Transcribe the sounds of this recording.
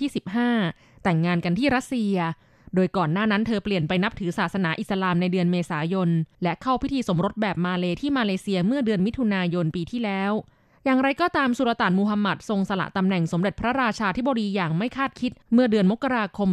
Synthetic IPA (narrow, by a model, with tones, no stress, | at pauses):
iː˥˩si˨˩p̚ɦaː˥˩ | t̪ɛ˨˩ŋːaː˧nka˧nt̪ʰiː˥˩ɾa˦˥t̪̚si˧ɐ | doː˧jkɔː˨˩nːaː˥˩na˦˥nt̪ʰɤː˧pli˨˩ənpa˧jna˦˥p̚t̪ʰɯː˩˦saː˨˩sa˧naː˩˦ʔi˨˩t̪̚sa˧laː˧mna˧jdɯ˧ənmeː˧saː˩˦jo˧nlɛ˦˥ʔkʰa˥˩wpʰi˦˥t̪ʰiː˧so˩˦mɾo˦˥t̪̚bɛː˨˩p̚maː˧leː˧t̪ʰiː˥˩maː˧leː˧si˧ɐmɯ˥˩ɐdɯ˧ənmi˦˥t̪ʰu˧naː˧jo˧npiː˧t̪ʰiː˥˩lɛː˦˥w | jaː˨˩ŋɾa˧jkɔː˧˩t̪aː˧msu˨˩ɾa˧t̪aː˨˩nmuː˧ɦa˧ma˨˩t̪̚so˧ŋsa˧la̰˨˩ʔt̪a˧mnɛ˨˩ŋso˩˦mɾe˨˩t̪̚pʰɾa˦˥ɾaː˧t͡ɕʰaː˧t̪ʰi˦˥boː˧ɾiː˧jaː˨˩ŋma˥˩jkʰaː˥˩t̪̚kʰi˦˥t̪̚mɯ˥˩ɐdɯ˧ənmo˦˥kːa˧ɾaː˧kʰo˧m